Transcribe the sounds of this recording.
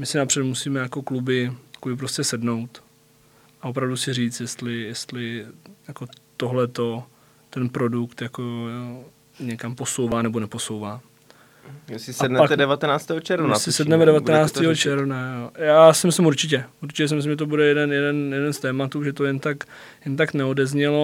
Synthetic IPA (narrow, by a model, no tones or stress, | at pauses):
mɪsɪnapr̥ɛt̪musiːmɛjako̞klubɪḁkobɪp̬ɾoscɛsɛdno̞wt̪ | ʔaop̬ɾavdusɪriːt͡st̪jɛst̪lɪjɛst̪lɪjako̞t̪o̞ɦlɛt̪o̞ | t̪ɛnpɾo̞dukt̪jako | ɲɛkampo̞sowvaːnɛbonɛpo̞sowvaː | ɛsɪsɛdnɛat̪ɛdɛvat̪ɛnaːt͡st̪ɛːɦot͡ʃɛɾvnasɪsɛdnɛmɛdɛvatɛnaːt͡st̪iːɦot͡ʃɛɾvnaojaːsɪmɪslɪmuɾt͡ʃɪc̬ɛuɾt͡ʃɪcɛs̬ɪmɪslɪmʒɛt̪obudɛjɛdɛnjɛdɛnjɛdɛnst̪ɛːmat̪uːʒɛt̪o̞jɛnt̪ak | jɛnt̪aknɛo̞dɛzɲɛlo̞